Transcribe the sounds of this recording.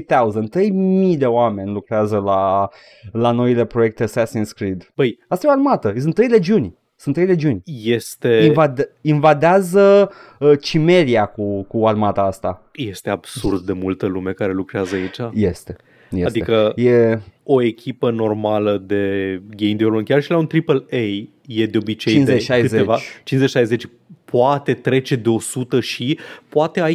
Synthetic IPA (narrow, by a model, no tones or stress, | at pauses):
t̪auzənt̪ɾe̞jmijd̪e̞oame̞nʲlukɾeazəla | lano̞ile̞pɾo̞je̞k̚t̪esæsinskɾid̪b̥əjast̪ajeoarmat̪əs̬unt̪ːɾe̞jle̞d͡ʒiunʲ | sunt̪ːɾejle̞d͡ʒiunʲjest̪e̞ivad̪invad̪eazə | ət͡ʃime̞ɾiakukuarmat̪aast̪a | je̞st̪e̞ab̥surd̪̚d̪e̞mult̪əlume̞kaɾe̞lukɾeazəait͡ʃaje̞st̪e̞ | jead̪iekəje̞o̞e̞kʲʰipəno̞rmaləd̪e̞ɡʲejmd̪iolonkʲarʃilaunt̪ɾipəlej | je̞d̪eo̞bit͡ʃejinzeʃajɨzeevat͡ʃinzet͡ʃiʃajzet͡ʃʲ | pʰoat̪e̞t̪ɾe̞t͡ʃe̞d̪e̞o̞sut̪əʃipoat̪e̞a